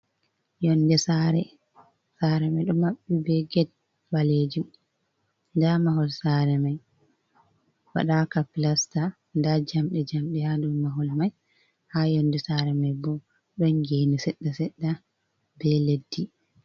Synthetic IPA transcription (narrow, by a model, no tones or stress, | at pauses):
jɔndɛsaɾɛ | saɾɛmajɗɔmaɓːibɛɡɛt̚ | baled͡ʒum | ndamaɦɔlsaɾɛmaj | wa̰ɗakapilasta | ndad͡ʒamɗɛd͡ʒamɗɛhadumːaɦɔlmaj | haːjɔnːdɛsaɾɛmajbɔ | ɗɔnɡeːnisɛɗːasɛɗːa | bɛledːi